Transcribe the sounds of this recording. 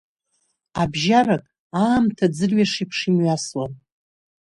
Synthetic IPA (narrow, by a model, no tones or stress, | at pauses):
abʒarakʼ | aːmtʰad͡zɨrɥaʂipʰʂimɥaswan